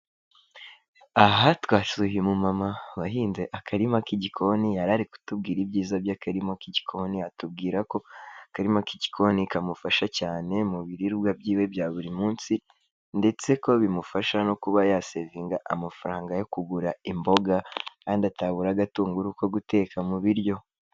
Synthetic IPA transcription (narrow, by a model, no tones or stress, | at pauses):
aɦatwaːsuhiemumamaβaɦiːnze̞ʔakʰaɾimakiɟikʰo̞nijaɾaɾiku̥tub̚ɡiːɾibɟiːzabjakaɾimakiɟikʰo̞niatub̚ɡiːɾako̞kaɾimakiɟikʰo̞nikamufaʃacaːne̞muβiɾiɾbwabɟiːwe̞bjaːβuɾimuːnsi | nde̞t͡se̞ko̞βimufaʃano̞kuβajaseziːŋɡaʔamafaɾaːŋɡajo̞kuɡuɾaimbo̞ɡakaːndiataβuɾaɡatuːŋɡuɾuko̞ɡute̞ːkʰamuβiɾjo̞